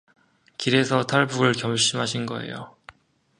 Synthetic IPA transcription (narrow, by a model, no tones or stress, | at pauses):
kiɾe̞sʰʌtʰaɭbuɾɯɭkjʌmɕ͈imɦaɕʰinɡʌ̰e̞̰jo̰